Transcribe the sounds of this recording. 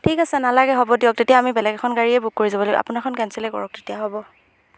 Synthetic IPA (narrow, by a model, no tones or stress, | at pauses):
tʰikasɛnalaɡɛɦɔbɔdiɔk̚tetiaːmibɛlɛɡkʰɔnɡaɹiɛbukkoɹizabɔloɡɛ̰a̰pʊnakʰɔnkɛnsɛlɛkɔ̰ɹɔk̚tetijaɦɔbɔ